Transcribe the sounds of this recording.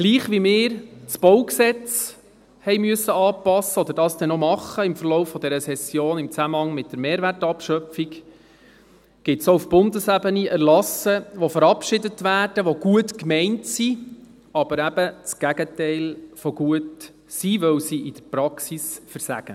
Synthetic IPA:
ɡ̥liːχʋimɪːɾt͡sb̥ɔwksɛt͡s | hɛɪmyəsːəɑːpɑsːəɔd̥̪əɾdɑːsd̥̪ɛnomɑχːəɪmfəɾlɔʊfːɔd̪ɛɾəsɛsjoːnɪmt͡sæməhɑŋmɪt̚d̥̪əɾmeːɾʋærtɑpʃœpfik | ɡ̥ɪtsoufb̥ʊndəsæbəniʔɛɾrlɑsəʋofəɾɑpʃɪdətʋæːrd̥əʋoɡuətkmɛɪntsi | ɑb̥əɾæb̥ət͡sɡ̥æɡ̥ətɛɪlfɔɡuət | siʋœwsiʔɪd̥əɾpɾɑksisfəɾsæ̰ɡ̥ə

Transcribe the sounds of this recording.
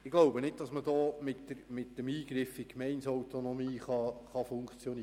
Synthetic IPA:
ɪɡ̥loʊbənɪd̚d̥ɑsməd̪ɔːmɪtːəɾmɪtːəmiːɡ̥ɾɪfɪkmɛɪnsɔwt̪onɔmiːχɑχɑfʊŋkt͡sjɔni

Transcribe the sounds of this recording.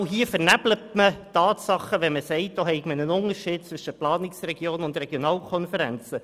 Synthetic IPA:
wɦiːəfəɾnæb̥lətmətɑːtsɑχəʋɛməsɛɪt̚d̥oːɦɛɪɡmənənʊŋəɾʃiːd̥̚t͡sʋʏʃəplɑːnɪksrɛɡjoːnʊndrɛɡ̥jonɑːlkʰɔnfəɾɛ̰nt͡sə

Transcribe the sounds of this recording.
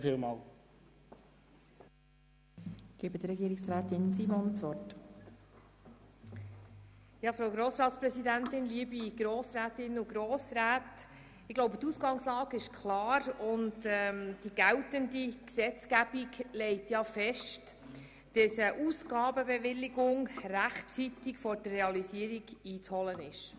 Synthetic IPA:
fiːlmɑːl | ɡ̥ibəd̥̪əɾɛɡiːɾɪksɾæːt̪ɪnsiːmɔnsvɔrt | jɑːfɾoʊɡɾoːsɾɑːtspɾɛsidæntɪnliəbiɡ̥ɾoːsɾæːtɪnʊɡɾoːsɾæːt | ɪɡ̥loʊbət̪uːsɡɑŋslɑːɡɪʃkʰlɑːɾʊndɛmd̥iɡ̥æltəndiksɛt͡skæb̥iɡlɛɪtjɑfɛʃt | d̥ɑsəʔuːsɡ̥ɑːbəbɛvɪliɡʊŋræχtt͡sitɪkfɔɾd̥ərːɛɑlisiəɾiɡiːt͡shɔlənɪʃ

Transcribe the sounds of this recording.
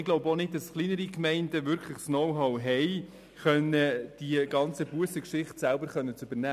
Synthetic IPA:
ɪɡloʊbɔnɪd̚dɑsχlinəɾikmɛɪndəvʏɾkʰχləχsnɔwɦɔwɦɛɪ | χœnːəd̥iəɡɑnt͡səbuəsəkʃɪχtsælbəɾχœnːət͡sʉbəɾnæː

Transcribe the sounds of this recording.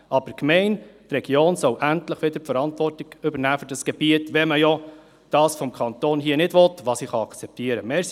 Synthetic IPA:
ʔɑb̥əɾkmɛɪnt̪rɛɡ̥joːnsɔʊʔæntləχʋɪd̥̪əɾfəɾɑntvɔrtɪɡʏbəɾnæːfyɾdɑsɡ̥ɛb̥iətʋɛməjɔ | d̥ɑːsfɔmkʰɑnt̪oːnɦiːənɪdʋɔtʋɑːsiχɑɑkt͡sɛp̚t̪iəɾəmɛːɾs

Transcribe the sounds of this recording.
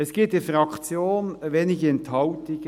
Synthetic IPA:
ɛsɡ̥iːp̚t̚d̥̪ifɾɑkt͡sjoːnveːnɪçɪnt̪ʰhɑʊt̪ɪɡ

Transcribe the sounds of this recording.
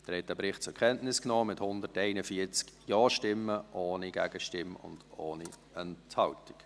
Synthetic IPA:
d̪̥ɛɾhɛt̚d̥ɛːbɾɪχt̚t͡sʊkʰɛntnɪsknɔːmɪthʊnd̪ətɛɪnəfiət͡skjɑːʃtɪmːəʔoːniɡ̥æɡəʃtɪmʊ̰nd̥oːni | ənthɑwtɪ̥k

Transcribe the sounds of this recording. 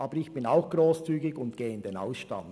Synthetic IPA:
ʔɑːbəɾɪçb̥ɪnaʊxɡ̥ɾoːst͡syːɡɪɡʊntɡ̥eːɪnd̪ena̰ʊsʃtɑ̰n

